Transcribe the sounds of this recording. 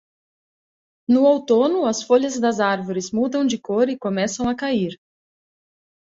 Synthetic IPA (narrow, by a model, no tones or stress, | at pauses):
nʊowt̪onʊɐsfoʎɐzd̪ɐzaɾvoɾɪzmud̪ɐ̃w̃d͡ʒɪkoɾɪkomɛsɐ̃w̃ɐkaiɾ